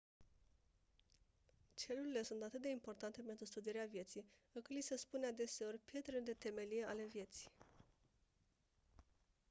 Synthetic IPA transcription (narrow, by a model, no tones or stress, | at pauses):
t͡ʃe̞luɾile̞sunt̪at̪ɨt̪̚d̪e̞impo̞rt̪ant̪e̞pe̞nt̪ɾust̪ud̪ieɾeavje̞t̪sijɨkɨt̪lisəspunead̪e̞se̞o̞rʲpje̞t̪ɾeld̪e̞t̪e̞me̞lijeale̞vje̞t̪si̥j